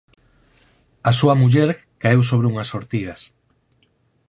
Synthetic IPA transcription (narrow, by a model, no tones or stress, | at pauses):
asuɐmuʎeɾ | kaews̬oβɾeuŋɐsoɾt̪ið̞ɐs